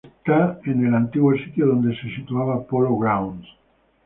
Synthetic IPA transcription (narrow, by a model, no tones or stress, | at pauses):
t̪aenelant̪iɣwesit̪joðond̪esesit̪uaβapoloɣɾawnd̪